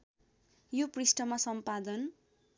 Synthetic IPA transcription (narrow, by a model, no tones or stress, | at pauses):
joprisʈʌmasʌmpad̪ʌn